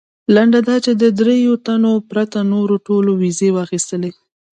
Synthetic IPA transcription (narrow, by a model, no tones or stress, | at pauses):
laɳɖad̪ɑt͡ʃed̪əd̪ɾejot̪anopɾat̪anoɾoʈolowizewɑːxist̪əle